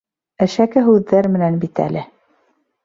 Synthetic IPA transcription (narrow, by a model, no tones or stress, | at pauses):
æʃækɘɦʉðːæɾmɘ̆nænbit̪æ̰lɘ